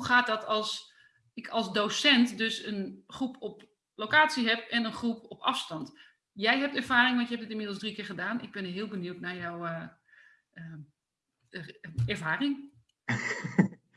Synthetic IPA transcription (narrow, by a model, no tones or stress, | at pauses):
ɦuxaːt̚dɔtɑlˠs | ɪkʰɑlˠsdowsɛntdøsənχrupɔp | lowkaːtt͡siɦɛpɛnənχrupɔpʰɑfstɑnt | jɛjɦɛp̚tɛɹv̥aːrɪŋʋɔntjɦɛpdɪtɪnmɪdl̩ˠsdrikɪːɹχədaːnɪɡ̚bɪnəɦɪəlˠbəniwtnajawə | ə | ɛrvaːrɪŋ